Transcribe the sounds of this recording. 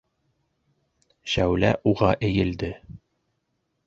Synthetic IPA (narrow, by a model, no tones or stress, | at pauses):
ɕæwlæʔuʁɑʔɘ̆jɘ̆ld̪ɘ